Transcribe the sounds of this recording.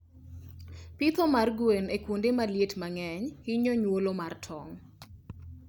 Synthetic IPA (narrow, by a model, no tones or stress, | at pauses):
pit̪ɔmarɡwenekwondemaljetmaŋɛɲhɪɲɔɲwolomartʰɔ̰ŋ